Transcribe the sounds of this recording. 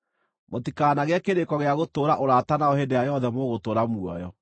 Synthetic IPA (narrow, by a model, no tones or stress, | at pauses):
motikaːnaɣeakeɾekɔɣeaɣotoːɾaʔoɾaːtanaɔhedeajɔðɛmoːɣotoːɾamuɔ̰jɔ